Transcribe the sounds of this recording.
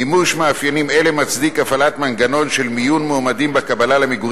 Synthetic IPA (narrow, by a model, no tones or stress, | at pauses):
imuʃmeafjenimelemat͡sd̪ikafalat̪manɡano̞nʃelmijunmomadimbekabalalemiɡ